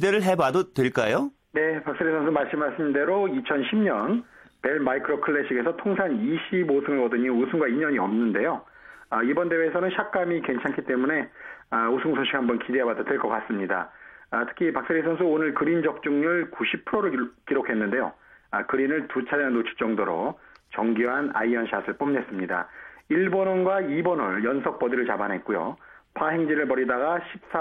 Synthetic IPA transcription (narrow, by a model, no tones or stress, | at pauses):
ideɾɯɭɦe̞badotweɭk͈ajo | ne̞pak̚s͈ɯɾisʰʌns̬ʰɯmaɭs͈ɯmaɕʰinde̞ɾoit͡ɕʰʌnɕʰimɲʌnpe̞ɭmaikʰɯɾokʰɯɭːeɕʰiɡe̞sʰʌtʰoŋsʰaniɕʰibosʰɯŋɯɭkʌdɯɲiusʰuŋɡwaiɲʌɲiʌmnɯnde̞jo | ʌibʌnde̞weːsʰʌnɯnɕʰak̚k͈amike̞nt͡ɕʰankʰit͈e̞mune̞ʌusʰuŋsʰoɕ͈ʰi̥khambʌnkidebadotweɭk͈ʌk͈as͈ɯmɲida̰tʰɯ̥kʰipak̚s͈eɾisʰʌnsʰɯonɯɭkɯɾind͡ʑʌk̚t͡ɕ͈uŋɲuɭkuɕʰipʰuɾoɾɯɭkiɾokʰe̞nːɯnde̞jo̰kɯɾinɯɭtut͡ɕʰaɾjaŋnot͡ɕʰi̥k̚t͡ɕ͈ʌŋdoɾo̰t͡ɕʌŋɡuɦana̰iʌnɕʰasʰɯɭp͈ʌmne̞s͈ɯmɲida̰iɭbonʌnɡwaibʌnʌɭjʌnsʰʌk̚p͈ʌdiɾɯɭt͡ɕabanɦe̞t̚k͈ujo̰pʰaɦeŋd͡ʑiɾɯɭpʌɾidaɡaɕʰip̚s͈a